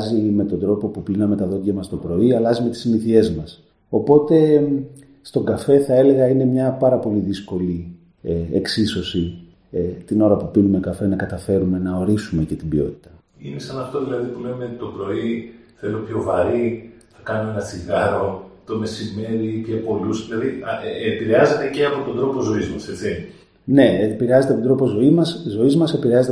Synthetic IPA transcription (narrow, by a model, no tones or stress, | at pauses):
zime̞t̪o̞nd̪ɾo̞po̞pupinɐme̞t̪ɐðo̞t̪ʝɐmɐst̪o̞pɾo̞iɐlɐzime̞t̪i̥zmiθie̞zmɐs | o̞po̞t̪e̞ | st̪o̞ɡɐfe̞θɐe̞le̞ɣɐine̞mɲɐpɐɾɐpo̞liðisko̞li | ḛksiso̞si | t̪ino̞ɾɐpupinume̞kɐfe̞nɐkɐt̪ɐfe̞ɾume̞nɐo̞ɾisume̞ce̞t̪ibio̞̰t̪i̥t̪ɐ | inesɐnɐft̪o̞ðilɐðipule̞met̪o̞pɾo̞iθe̞lo̞pço̞vɐɾinɐkɐno̞e̞nɐsiɣɐɾo̞t̪o̞me̞sime̞ɾipçopo̞lusðilɐðiɐepiɾeɐze̞t̪e̞ceɐpo̞t̪o̞nd̪ɾo̞po̞zo̞izmɐse̞t͡si | ne̞epiɾeɐzet̪et̪od̪ɾo̞po̞zo̞imɐszo̞izmɐse̞piɾeɐze̞t̪